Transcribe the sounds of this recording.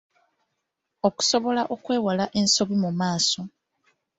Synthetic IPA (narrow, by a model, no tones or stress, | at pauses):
o̞ku̥so̞βo̞laʔo̞kwe̞ːwalaʔe̞nso̞βimumaːso̞